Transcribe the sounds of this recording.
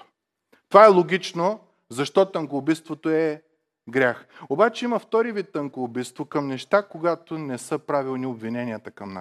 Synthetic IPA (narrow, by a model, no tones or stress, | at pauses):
t̪ovaɛlˠoɡʲit͡ʃno | zɐʃt̪ɔt̪ɐŋkobist̪vot̪oɛ | ɡɾʲaxobat͡ʃɛimɐft̪ɔɾivit̪ːəŋkoːbit̪st̪vokɐmnɛʃt̪akoɡat̪onɛsəpɾavilˠniobvinɛnijət̪əkɐmna̰s